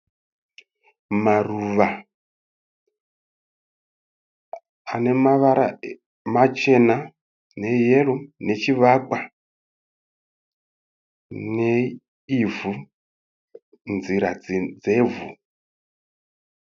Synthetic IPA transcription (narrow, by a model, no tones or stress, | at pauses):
maruʋa | ane̞maʋaɾa̰ | mat͡ʃe̞na | ne̞jerune̞t͡ʃiʋak͡pa | ne | ivu | nziɾad͡zd͡zevu